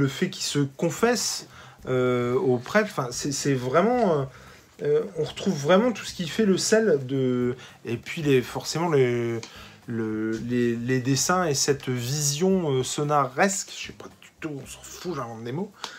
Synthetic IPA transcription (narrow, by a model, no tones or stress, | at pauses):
ləfɛkʲilsəkɔ̃fɛs | øopχɛɑ̃fɛ̃sɛsɛvʁɛmɑ̃ | øɔ̃ʁət̪χuvːʁɛmɑ̃t̪u̥sə̥kʲifɛləsɛld̪ə | epɥilefɔʁsemɑ̃lə | ləleled̪esɛ̃esɛt̪vizjɔ̃øsɔnaʁɛskʃɛpad̪̥y̥t̪uɔ̃sɑ̥fuʒãvɑ̃d̪emo